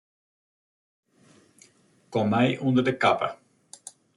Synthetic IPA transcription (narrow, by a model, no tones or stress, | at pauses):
kɔmːɛjʔundərdəkapə̰